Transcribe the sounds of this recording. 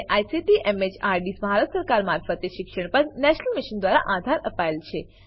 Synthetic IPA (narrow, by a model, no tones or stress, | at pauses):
eʔajsiʈiʔemed͡ʒaɾɖisbʱaɾət̪səɾkaɾmaɾfət̪eʃɪkʃəɳ̃pəɾnɛʃnəlmɪʃənd̪ʋaɾa̰ʔad̪ʱaɾəpaelt͡ʃʰe